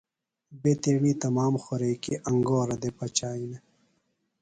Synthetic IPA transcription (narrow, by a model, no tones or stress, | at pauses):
beːt̪eːɳiːt̪ɐmaːmxoɾeːkiʔɐŋɡoːɾɐd̪epɐt͡ɕaːine